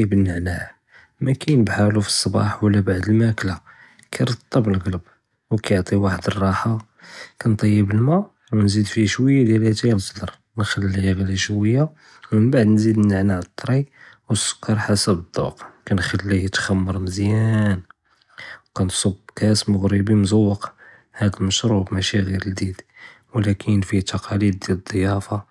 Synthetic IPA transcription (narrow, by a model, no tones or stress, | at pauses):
bənːaʕnæh | mækæjnəbħalufi̥sˤːɑbɑ̰ħwəlːæbaʕd̪əlmækla | kʰæjɾˤɑt̪ˤːɑbəlɣələb | wkæjoʕt̪ˤiwaħəd̪ərˤːɑħa | kænt̪ˤːɑjːəbəlmæ | wnzid̪fiʃwəjːad̪jælæt̪insˤd̪ɑɾˤ | nxælːijɣliʃwəjːa | mənbaʕd̪nzid̪nːaʕnaʕt̪ˤːɾiwsʊ̥kːɑɾˤħasəbəd̪ˤːṵqkænxælːit̪xæmːəɾˤnəzjæn | wkænt̪sˤobːkæsmʊɣɾibimzɑwːəq | hæd̪əməʃɾubmæʃiɣiɾəld̪id̪ | wlækʰənfit̪ɑqʰɑlid̪̚ːjæləd̪ˤːəjɑfɑ